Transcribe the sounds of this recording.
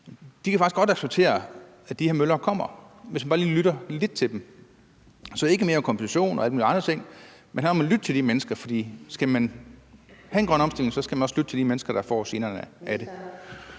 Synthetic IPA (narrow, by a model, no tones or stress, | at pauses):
d̥ikʰæfɑ̈ɡ̥isɡ̥ɒ̽d̥ɑ̥seb̥̚t͡sʰe̝̰ːɐ | æd̥iheɐmølɐːkʰɒ̽m̰ɐʋesmænb̥ɑːliːlyɾɐle̝d̥̚t͡sʰe̝ld̥em | sɒ̽e̝ɡ̥əme̝ːɐmkʰɒmbesʰæɕo̝̰ːnʔɒ̽æl̰muːliɑ̈nd̥ʁɐt͡sʰe̝ŋ̰ | menɦæ̰ɐnɒmænlyd̥ət͡sʰe̝ld̥imenəsɡ̥ɐfɒ̽d̥ḭːsɡ̥æmæn | hæenɡʁɶnɒ̽msd̥el̰eŋsɒ̽sɡ̥æmænɒslyd̥ət͡sʰe̝ld̥imenəsɡ̥ɐɾ̥ɑ̈fɒ̰ːse̝ːnɐːnəʔæɾ̥e̝